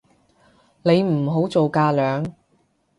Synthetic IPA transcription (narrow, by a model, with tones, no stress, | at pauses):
ne˨˧jm̩˨˩ɦo˨˥wt͡so˨wkaː˧lœː˨˧ŋ